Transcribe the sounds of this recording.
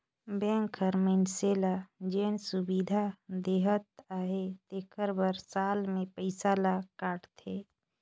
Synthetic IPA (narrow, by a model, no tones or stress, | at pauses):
bẽːŋkʰəɾmenselad͡ʒeːnsubid̪ʱad̪eɦət̪̚aɦet̪ekʰəɾbəɾsaːlmẽpəɪsalakaːʈt̪ʰe